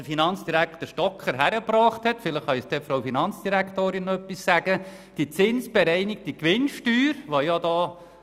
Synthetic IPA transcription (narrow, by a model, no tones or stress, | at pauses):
əfinɑnt͡sd̥iɾækχt̪əʃtɔkʰχəɾɦæɾəbɾɑːχthɛtfɪləχːɑɛsd̥̪ɛfɾowfinɑnt͡sd̥iɾækʰt̪oːɾɪnːœpːissæɡ̥ə | d̥it͡sɪnsb̥ɛɾɛɪnɪkd̥ikʋɪnʃtyːɾʋojɑdɑː